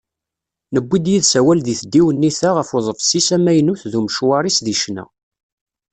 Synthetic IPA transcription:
nəbʷːid̪jiðsæwælðiθəd̪ːiwənːiθæʁəfʊðˤəfsisæmæjnuθðuməʃwɑɾˤisðiʃnæ̰

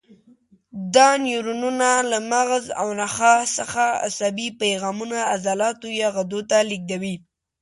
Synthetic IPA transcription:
d̪ɑnjuɾununalamaɣza̰wnaxasəxaa̰sabipajɣɑmunaːzɑlɑt̪ojɑɣad̪ot̪alik̚d̪awi

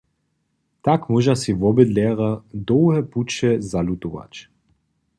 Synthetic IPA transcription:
t̪akmuʒasiʋɔbəd̪lɛːʁad̪ɔwhɛput͡ʃɛzalut̪uʋa̰t͡ɕ

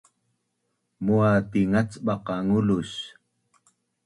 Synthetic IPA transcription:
muat̪iŋat͡sɓɑqɑŋuluɕ

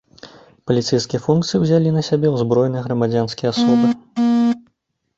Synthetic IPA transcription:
pɐlʲit̪sɛjskʲijɐfunkt̪sɨjiwzʲalʲinɐsʲabʲɛwzbɾɔjnɨjɐɣɾɐmad͡zʲanskʲijɐasɔbɨ

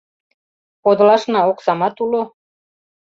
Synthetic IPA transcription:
pod̪̆lɑʃnɑoksɑmɑt̪ulo

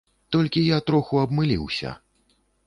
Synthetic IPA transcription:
t̪ɔlʲkʲijat̪ɾɔxuɐbmɨlʲiwsʲɐ̰

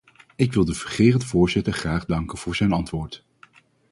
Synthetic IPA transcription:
ɪkʋɪlˠdəv̥əχeːrəntəvʊːɹzɪtəɹχraːχdɑŋkənv̥ʊːɹzɛjnɑntʋʊːɹt

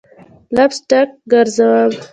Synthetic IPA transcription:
labsʈak̚ɡaɾzawab

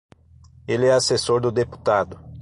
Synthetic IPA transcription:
elɪɛasesoɾd̪ʊd̪epu̥t̪ad̪ʊ

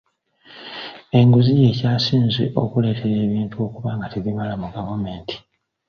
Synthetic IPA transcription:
e̞ŋɡuzije̞ːcaːsiːnzḛʔo̞kule̞ːtʰeɾe̞ːβiːntuo̞ːkuβaːŋɡateβiβalamuɡavame̞ːntʰi̥

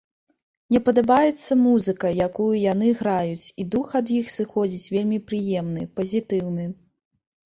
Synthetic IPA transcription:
nʲɛpɐd̪abajɛt̪sːɐmuzɨkɐjakujujanɨɣɾajut͡sʲid̪uxɐd̪jixsɨxɔd͡zʲit͡sʲvʲelʲmʲipɾɨjɛmnɨpɐzʲit̪ɨwnɨ

